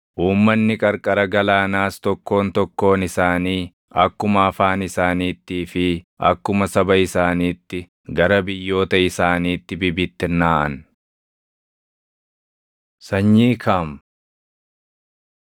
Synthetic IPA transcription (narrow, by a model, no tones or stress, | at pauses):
ʔuːmːɐnːɪkʼɐɾkʼɐɾɐɡɐlaːnaːst̪ɔkːo̞ːnt̪ɔkːo̞ːnɪsaːniː | ɐkːʊmɐːfaːnɪsaːniːt̪ːiːfɪ | ɐ̰kːʊmɐsɐbɐɪsaːniːt̪ːɪ | ɡɐɾɐbɪjːo̞ːt̪ɐɪsaːniːt̪ːɪbɪbɪt̪ːɪnaːʔɐ̰n | sɐɲːiːkʰaːm